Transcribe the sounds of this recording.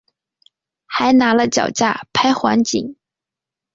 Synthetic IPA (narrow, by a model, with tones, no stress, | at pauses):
xa˧˥ɪna˧˥lə˧t͡ɕjɑ̰˨˩ʊt͡ɕja̰˥˩pʰa˥ɪxwa̰˧˥nt͡ɕi˨˩˦ŋ